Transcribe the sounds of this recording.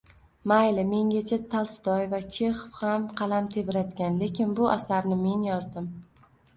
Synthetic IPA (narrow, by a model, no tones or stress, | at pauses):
majlɪme̞ŋʲat͡ʃʰat̪ʰalˠsd̪ɒjvat͡ʃʰe̞χfhamqʰɑlamt̪ʰe̞vɪɾad̪ɪɡʲanle̞kʲɪnbʊʔasaɾnɪme̞njɒzd̪ɪm